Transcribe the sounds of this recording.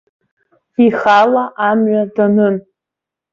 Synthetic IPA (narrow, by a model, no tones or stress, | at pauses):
iχalaʔamɥadanɨn